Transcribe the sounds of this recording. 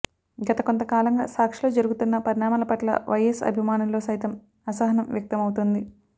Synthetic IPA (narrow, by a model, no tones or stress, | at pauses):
ɡɐt̪ɐko̞nt̪ɐkaːlɐŋɡa̰ːsaːkʂilo̞ːd͡ʒɐɾuɡut̪unːɐpɐɾinaːmaːlɐpɐʈlɐ̰ʋɐjɐsɐ̰bʱimaːnulːo̞ːsɐjt̪ɐm | ɐsɐɦɐnɐmʋjɐk̚t̪ɐmɐwt̪und̪i